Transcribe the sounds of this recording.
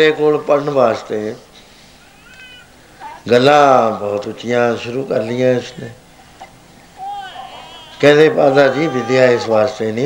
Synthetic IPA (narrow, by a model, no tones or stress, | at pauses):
ɾeːkoːlpəɾɳʋaːst̪eː | ɡəlːãːbɔːt̪ʊt͡ʃːɪjãːʃʊɾuːkəɾlɪjãːɪsnẽː | kɛ̃ːd̪eːpaːd̪aːd͡ʒiːʋɪd̪jaːɪsʋaːst̪eːnĩː